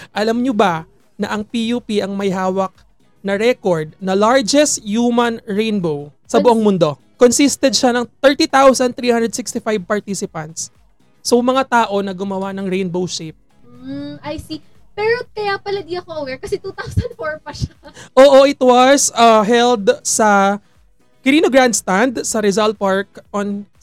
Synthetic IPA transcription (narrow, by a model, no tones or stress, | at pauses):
ʔɐlamɲobɐ | nɐʔɐŋpijupiʔɐŋmɐjɦaːwɐk̚ | nɐɾɛkoɹd̪̚nɐlaɹd͡ʒɛst̪juːmɐnɹejnbow | sɐbʊʔoŋmʊnd̪o̞ | konsist̪ɛd̪̚ʃanɐŋt̪ɛɹt̪it̪awsɐnt̪ɾiːhãnd̪ɾɛd̪sɪkst̪ɪfajb̚pɐɹt̪isɪpɐnt̪sː | omɐŋat̪aːʔo̞nɐɡʊmɐwanɐŋɹejnbowʃep̩̚ | ʔajsi | pɛːɾokɐjapɐlɐd̪iɐkoʔɐwɛɹkɐsɛt̪uːt̪awsɐnd̪foɹpɐʃaʔoːʔo̞ʔɪt̪wɐsɐɦɛld̪sɐ | kɪɾiːnoɡɹand̪st̪and̪sɐɾɛzalt̪̚paɹk̚ʔon